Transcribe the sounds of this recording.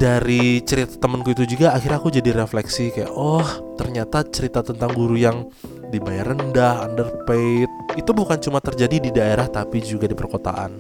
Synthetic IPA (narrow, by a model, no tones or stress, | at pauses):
d̥aɾit͡ʃəɾit̪ḁt̪əmənkuit̪ud͡ʒuɡaːxirɲakud͡ʒadiɾeflɛksikaja̰ʔɔht̪ərɲat̪at͡ʃəɾit̪at̪ənt̪aŋɡuɾujaŋ | dibajarəndahandərpet̪̚it̪ubukant͡ʃumat̪ərd͡ʒadididaeɾaht̪apid͡ʒuɡadipərkot̪a̰ʔa̰n